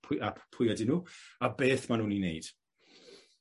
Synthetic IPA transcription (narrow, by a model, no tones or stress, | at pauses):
apʰʊjadɪnuːabeːθmanuːninḛjd̥